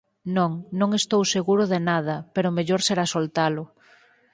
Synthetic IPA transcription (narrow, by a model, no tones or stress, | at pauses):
nõŋnõŋest̪owseɣuɾʊðenað̞ɐpeɾʊmeʎoɾseɾasolt̪alʊ